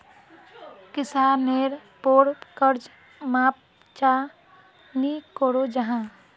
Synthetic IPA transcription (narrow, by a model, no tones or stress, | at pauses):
kɪsaːneːɾpoːɽkəɾd͡ʒ | map̚ | t͡ʃa | nikoːɽod͡ʒəɦãː